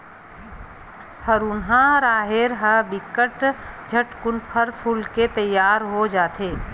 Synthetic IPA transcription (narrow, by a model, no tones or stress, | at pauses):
həɾuːnɦãɾaːɦeɾɦəbɪkəʈd͡ʒʱəʈkʊnpʰəɾpʰuːlket̪əjːaːɾɦod͡ʒaːt̪ɦeː